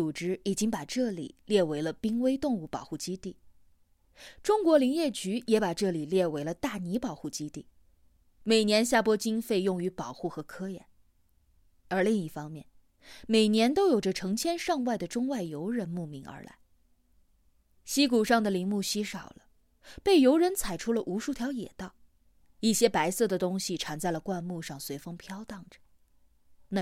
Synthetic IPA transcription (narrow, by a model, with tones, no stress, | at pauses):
u˨˩ʈ͡ʂɻ̩˥i˨˩t͡ɕi˥ŋpa˨˩ʈ͡ʂɤ˥˩lḭ˨˩ljɛ˥˩we˧˥ɪlə˧pi˥ŋwe˥ɪt̪ʊ˥˧ŋu˥˩pɑ˨˩ʊxu˥˩t͡ɕi˥t̪i˥˩ | ʈ͡ʂʊ˥ŋkwɔ˧˥li˧˥ŋjɛ˥˩t͡ɕy˧˥jɛ˧˥pa˨˩ʈ͡ʂɤ˥˩li˨˩ljɛ˥˩we˧˥ɪlə˧t̪a˥˩ni˧˥pɑ˨˩ʊxu˥˩t͡ɕi˥t̪i˥˩ | me˨˩ɪnjɛ˧˥nɕja˥˩pwɔ˥t͡ɕi˥ŋfe˥˧ɪjʊ˥˩ŋy˧˥pɑ˨˩ʊxu˥˩xɤ˧˥kʰɤ˥jɛ̰˨˧˥n | ə˞˧˥li˥˧ŋi˥˩fɑ˥ŋmjɛ̰˥˩n | me˨˩ɪnjɛ˧˥nt̪o˥ʊjo˨˩ʊʈ͡ʂə˦ʈ͡ʂʰɤ˧˥ŋt͡ɕʰjɛ˥nʂɑ˥˧ŋwa˥˩ɪd̪ə˩ʈ͡ʂʊ˥ŋwa˥˩ɪjo˧˥ʊɻə˧˥nmu˥˩mi˧˥ŋə̰˞˧˥la̰˧˥ɪ | ɕi˥ku˨˩ʂɑ˥˩ŋd̪ə˩li˧˥ŋmu˥˩ɕi˥ʂɑ˨˩ʊlə˦ | pe˥˩ɪjo˧˥ʊɻə˧˥nt͡sʰa˨˩ɪʈ͡ʂʰu˥lə˨ʔu˧˥ʂu˥˩t̪ʰjɑ˧˥ʊjɛ̰˨˩t̪ɑ˥˩ʊ | i˥˩ɕjɛ˥pa˧˥ɪsɤ˥˩d̪ə˩t̪ʊ˥ŋɕi˨ʈ͡ʂʰa˧˥nt͡sa˥˩ɪlə˩kwa˥˧nmu˥˧ʂɑ˥˩ŋswe˧˥ɪfɤ˥ŋpʰjɑ˥ʊt̪ɑ˥˩ŋʈ͡ʂə̥˩ | na˥˧˩